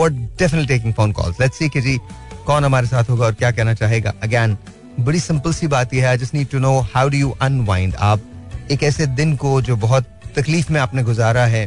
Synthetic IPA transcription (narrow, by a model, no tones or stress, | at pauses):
ɔːɾɖɛfənəʈliʈeːkɪ̃ŋɡfõːnkɔ̰ːlzlɛʈsiːked͡ʒiː | kɔːnɦɐmaːɾesaːt̪ʰɦoːɡaɔːɾkjaːkɛɦnat͡ʃaːɦeːɡa̰ːʔɐɡɛːn | bɐɽisɪ̃mpəlsibaːt̪jeɦɛaːd͡ʒɐsniːd̚ʈunoːhaʊɖujuːʔɐ̃nʋãɪ̃ɳɖa̰ːp̚eːkɛːsed̪ɪnkod͡ʒoːbɐɦʊt̪ːɐkliːfmẽaːpneɡʊzaːɾaɦɛː